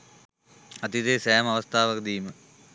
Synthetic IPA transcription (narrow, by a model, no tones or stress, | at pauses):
ɐt̪id̪eːsɛjəmɐʋəst̪ʰaːʋəkd̪iːmə